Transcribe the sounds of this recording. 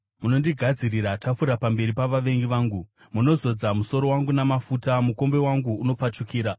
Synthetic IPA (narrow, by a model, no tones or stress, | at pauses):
muno̞ndiɡʱad͡ziriɾatafuɾapambe̞ɾipaʋaʋe̞ŋɡiʋaːŋɡu | muno̞zo̞d͡zamuso̞ɾo̞waŋɡunamafutamuko̞mbe̞waŋɡuːno̞p͡fat͡ʃukiːɾa